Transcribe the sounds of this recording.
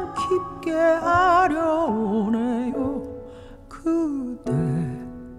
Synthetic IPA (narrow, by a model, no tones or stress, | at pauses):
kʰip̚k͈eaɾjʌonejo | kʰɯd̪e